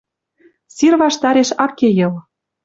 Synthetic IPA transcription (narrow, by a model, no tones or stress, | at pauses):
sirβɑʃt̪ɑɾeʃɑkːejɤ̆l